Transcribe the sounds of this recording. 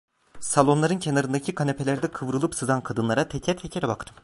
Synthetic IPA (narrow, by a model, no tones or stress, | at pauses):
salˠo̞nlˠaɾɯncʰenaɾɯnd̪acʰikʰanepʰe̞lʲæɾd̪ɛkʰɯvɾɯlˠɯpsɯzankʰad̪ɯnlˠaɾat̪ʰecʰɛt̪ʰecʰeɾɛbakt̪ʰɯ̥m